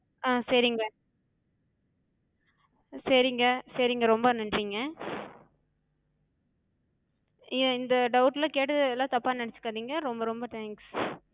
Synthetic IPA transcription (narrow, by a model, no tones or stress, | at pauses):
aːsɐɾɪŋɡɐ | sɐɾɪŋɡɐsɐɾiŋɡɐɾɔmbɐnɐɳɖɾiːŋɡɐ | ɪ̃ɪnd̪ɐɖɐʊʈːlãːkeːʈ̬ːɐðɛlːãːt̪ɐpːaːnnɐɳɛt͡ʃːɯ̥kːaːðiːŋɡɐɾɔmbɐɾɔmbɐt̪aːŋks